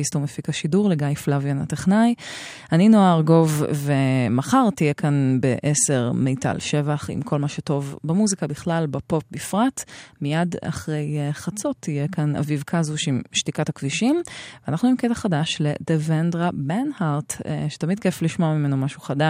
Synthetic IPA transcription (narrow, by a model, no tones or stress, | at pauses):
istomefikaʃiduʁleɡajflavjanateχnaj | aninoaʁɡo̞vːemaχaʁtijekanbḛʔese̞ʁmejta̰lʃe̞vaχḭmkʰo̞lmaʃeto̞vbamuzikabiχlalbapo̞p̚bifʁatmijada̰χʁe̞jχat͡so̞t̪ʰːijekana̰vivkʰazuʃimʃtikathakviʃimveanaχnuimketaχadaʃledevendʁabenhaʁtʃe̥tamid̚kefliʃmoamimenomaʃuχada